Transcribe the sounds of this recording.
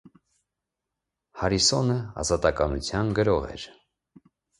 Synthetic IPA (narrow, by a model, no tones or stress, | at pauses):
hɑɾisɔnəɑ̰zɑt̪ɑkɑnut͡sʰjɑnɡəɾɔʁɛ̰ɾ